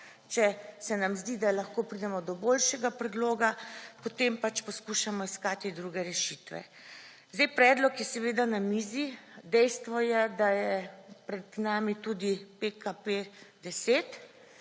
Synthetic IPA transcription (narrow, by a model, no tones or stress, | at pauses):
t͡ʃɛsɛnamzd̪id̪alaxkoːpɾid̪ɛmɔd̪ɔboːlʃɛɡapɾɛd̪loːɡapot̪empat͡ʃpɔskuʃamɔiskaːt̪id̪ɾuɡɛɾɛʃit̪ʋɛ̰ | zd̪ejpɾɛːd̪lɔkjɛsɛʋeːd̪anamiːzid̪ɛjst̪ʋɔjɛd̪ajɛpɾɛd̪naːmit̪uːd̪ipekaped̪ɛseːt̪